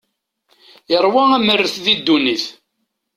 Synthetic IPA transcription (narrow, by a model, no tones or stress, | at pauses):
jəɾˤwææmərːəθðid̪ːuniθ